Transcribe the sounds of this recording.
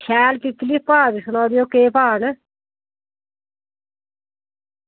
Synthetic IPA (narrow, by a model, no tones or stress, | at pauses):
ʃɛːlkiklippaːd̪isnaːd̪ijoːkeːpaːnə